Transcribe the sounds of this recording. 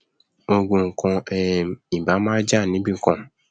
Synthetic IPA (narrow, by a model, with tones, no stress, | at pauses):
o˨ɡũ˨ŋ̩˨kʰɔ̃˧ɛ˨i˨ba˨˦mã˦d͡ʒa˦˨nĩ˦bi˦ŋ̩˨kɔ̃˦